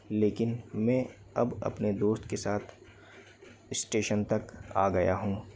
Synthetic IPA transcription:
leːkɪnmɛ̃ː | ɐ̰bɐ̰pned̪oːst̪kesaːt̪ʰ | ɪsʈeːʃənt̪ɐkaːɡɐja̰ɦũː

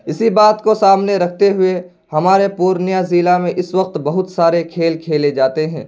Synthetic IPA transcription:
ɪsibaːt̪kosaːmneɾɐk̚ʰt̪eɦʊe | hɐmaːɾepuːɾnjaziːlamẽʔɪsʋɐqt̪bɐɦʊt̪saːɾekʰeːlkʰeːled͡ʒaːt̪eɦɛ̰̃ː

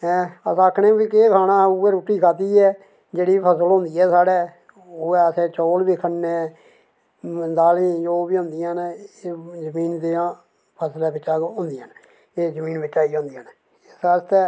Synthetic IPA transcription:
ɛ̃ːəsəkʰneːkiːkeːkʰaːɽãːuːɛːɾuːʈːiːkʰaːt̪̬iːɛː | d͡ʒeːɽiːpʰəsəlõːnd̪iːɛːsaːɽɛː | oɛːəsɛːt͡ʃoːlbiːkʰəneː | mənd̪aːlĩːd͡ʒoːbiːɦõːnd̪ɪjãːneːzəmiːnd̪eãː | pʰəslɛːbɪt͡ʃːaːkõːnd̪ɪjãːn | eːzəmiːnbɪt͡ʃːaːiːõːnd̪ijãːne | ɪsəst̪ɛː

